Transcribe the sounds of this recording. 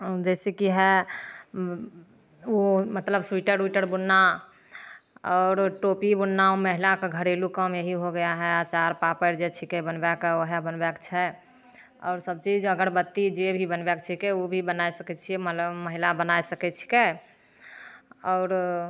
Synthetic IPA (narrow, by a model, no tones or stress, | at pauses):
d͡ʒɛsekiɦɛ | omət̪ləbswiʈəɾwiʈəɾbunːa | ɔɾʈopibunːaoməɦilakeɡʱəɾelukəmjeɦiɦoɡəjaɦɛat͡ʃaɾpapəɾd͡ʒet͡ʃʰikebənbɛkəɦabənbɛkt͡ʃʰɛ | ɔ̰ːɾsəb̚t͡ʃid͡ʒəɡəɾbət̪ːid͡ʒebʱibənbɛkt͡ʃʰikeobʱibənajsəkɛtt͡ʃʰiɛmət̪ləbməɦilabənajsəkɛt͡ʃʰi̥ke | ɔʊɾ